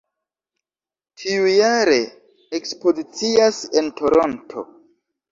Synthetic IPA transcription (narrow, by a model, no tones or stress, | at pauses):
tʰiujaɾe̞ | ekspo̞zit͡siasentʰo̞ɾontʰo̞̰